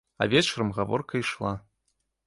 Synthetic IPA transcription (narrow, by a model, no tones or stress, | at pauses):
a̰vʲet͡ʃʰʷrɨmɣavo̰rkʰaiʂlˠa